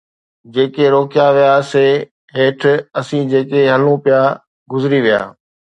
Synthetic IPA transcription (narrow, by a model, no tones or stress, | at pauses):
d͡ʑeːkeɾoːkɪjaʋijaseː | ɦeːʈʰɐsĩːd͡ʑeːkeɦɐlũpɪja | ɡʊzɪɾiʋija̰ː